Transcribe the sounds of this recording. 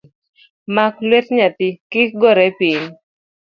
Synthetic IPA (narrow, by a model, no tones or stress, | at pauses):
maklwɛtɲat̪ɪkɪɡɔɾɛpin